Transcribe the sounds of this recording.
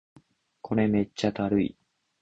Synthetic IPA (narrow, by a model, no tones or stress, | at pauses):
kʰo̞ɾe̞me̞t͡ɕːat̪aɾɯḭ